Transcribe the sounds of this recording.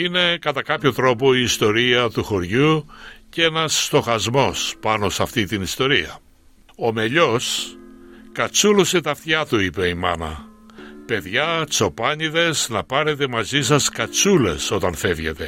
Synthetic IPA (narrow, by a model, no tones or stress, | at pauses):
ine̞kɐt̪ɐkɐpço̞t̪ɾo̞po̞iːst̪o̞ɾiɐt̪uxo̞ɾʝuce̞nɐsːt̪o̞xɐzmo̞spɐno̞sɐft̪it̪inist̪o̞ɾiɐ̰ | o̞me̞ʎo̞s | kɐt͡suloset̪ɐfθçɐt̪uipe̞imɐ̰nɐ̰ | pe̞ðʝɐt͡so̞pɐɲiðe̞znɐpɐɾe̞t̪e̞mɐzisɐskɐt͡sule̞̰so̞t̪ɐnfe̞vʝe̞t̪e̞